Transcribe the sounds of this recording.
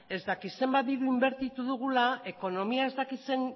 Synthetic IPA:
e̞zd̪akise̞mbat̪iɾuimbe̞ɾt̪it̪uð̞uɣ̞ulae̞ko̞no̞miae̞zt̪akise̞n

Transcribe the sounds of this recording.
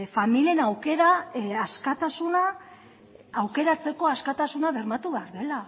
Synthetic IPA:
familienawke̞ɾaaskat̪asuna | awke̞ɾat͡se̞ko̞askat̪asunaβe̞ɾmat̪uβe̞aɾðe̞la

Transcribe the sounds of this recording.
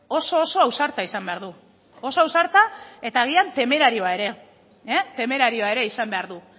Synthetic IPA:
o̞so̞ːso̞awsaɾt̪aisambe̞aɾðu | o̞so̞awsaɾt̪ae̞t̪aːɣ̞iant̪e̞me̞ɾaɾio̞ae̞ɾe̞ | et̪e̞me̞ɾaɾio̞ae̞ɾe̞isambe̞aɾðu

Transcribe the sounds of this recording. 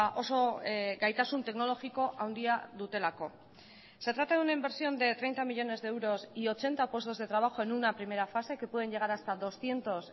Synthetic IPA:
ʔo̞so̞ɡajt̪asunt̪e̞kno̞lo̞xiko̞ʔawnd̪iaðut̪e̞lako̞ | se̞t̪ɾat̪aðunaimbe̞ɾsio̞nd̪e̞t̪ɾe̞jnt̪amiʎo̞ne̞zðeewɾo̞sio̞t͡ʃe̞nt̪apwe̞st̪o̞zðe̞t̪ɾaβ̞axo̞e̞nunapɾime̞ɾafase̞ke̞pwe̞ð̞e̞ɲʝe̞ɣ̞aɾast̪aðo̞sθje̞nt̪o̞s

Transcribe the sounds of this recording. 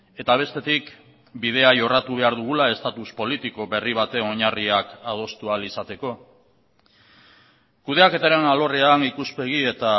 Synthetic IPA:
e̞t̪aβ̞e̞st̪e̞t̪ik | bið̞e̞aʝo̞rat̪uβ̞e̞aɾðuɣ̞ulae̞st̪at̪uspo̞lit̪iko̞βe̞riβ̞at̪e̞no̞ɲariakað̞o̞st̪ualisat̪e̞ko̞ | kuð̞e̞ake̞t̪aɾe̞nalo̞re̞anikuspe̞ɣ̞ie̞t̪a

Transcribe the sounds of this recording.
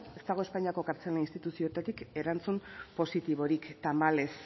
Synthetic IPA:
e̞st̪aɣ̞o̞e̞spaɲiako̞kaɾt͡se̞lainst̪it̪usiot̪at̪ike̞ɾant͡sumpo̞sit̪iβo̞ɾikt̪amale̞s

